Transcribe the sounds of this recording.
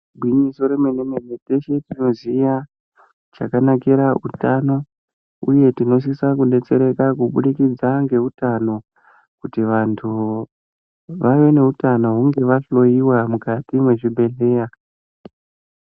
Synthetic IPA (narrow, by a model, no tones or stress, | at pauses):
bʱwiɲiso̞ɾemenemenete̞ʃe̞tino̞ziʋa | t͡ʃakanakiɾautano̞ | ṵje̞tino̞s̬isakunɗe̞t͡se̞ɾe̞kakuɓuɗikid͡zaŋɡe̞utano̞ | kutiʋantʰu | ʋaʋe̞ne̞utano̞ɦuŋɡe̞ʋaɬo̞iwamukatimwe̞ʐibʱe̞ɮe̞ːra